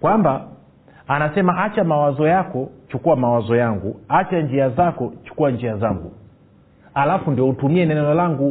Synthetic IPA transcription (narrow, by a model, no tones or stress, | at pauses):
kwambaː | nasɛmaʔat͡ʃamawazɔjakɔt͡ʃukuwamawazɔjaŋɡuat͡ʃaɲd͡ʒiazakɔt͡ʃu̥kuwaɲd͡ʒiazaŋɡṵ | alafundiɔutumiɛnɛnɛlɔlaŋɡu